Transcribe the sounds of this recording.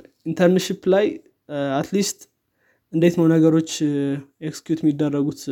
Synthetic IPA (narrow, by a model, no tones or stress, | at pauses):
ʔint̪ʰəɾnʃiplaj | at̪list̪ | ɨnd̪e̞t̪mawnəɡəɾo̞t͡ʃːekskjut̪mid̪ːərːəɡut̪